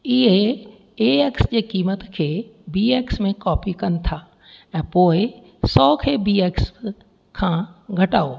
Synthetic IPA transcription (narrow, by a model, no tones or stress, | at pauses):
ɪɦe | eːeːksd͡ʑeːkiːmət̪kʰeːbiːeːksmẽkɔːpikɐnt̪ʰaː | ɛ̃ːpoːɪ | sɔːkʰeːbiːeːks | kʰãːɡʱɐʈaːoː